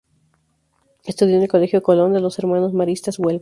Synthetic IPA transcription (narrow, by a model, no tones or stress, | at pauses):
est̪uðjonelko̞le̞xjoekolond̪elo̞se̞ɾmanozmaɾist̪azwel